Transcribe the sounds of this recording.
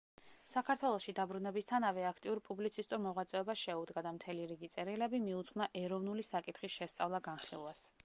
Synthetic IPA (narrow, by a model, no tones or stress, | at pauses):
sakʰaɾt̪ʰwɛlˠɔsʃid̪abɾunɛbist̪ʰanavɛakʰt̪ʼiuɾpʼublit̪sʰist̪ʼuɾmɔʁwat̪sʼɛɔbasʃɛud̪ɡad̪amt̪ʰɛliɾiɡit̪sʼɛɾilɛbimiut̪sʰχnaʔɛɾɔvnulisakʼit̪ʰχisʃɛst̪sʼa̰vlˠaɡanχḭlˠwas